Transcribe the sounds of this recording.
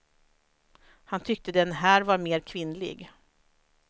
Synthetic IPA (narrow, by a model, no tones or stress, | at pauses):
hant̪ʰʏk̚t̪əd̪ɛnɦæːɾvaɾmeːɾkʰvɪnːlɪ̰ɡ